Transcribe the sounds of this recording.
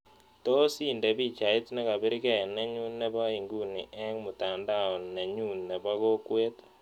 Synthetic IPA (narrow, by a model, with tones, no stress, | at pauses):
to˦si˦˨nde˨bi˦˨t͡ʃa˨i˦tne˦ka˨be˦ɾi˦kɛ˦˨nɛ˦ɲu˦nːe˦βa˦i˨ŋɡu˦ni˨ʔɛ˦ŋmu˨ta˨nda˦˨o˨ne˨ɲu˦˨nne˨ba˦ɣo˦kwe˦t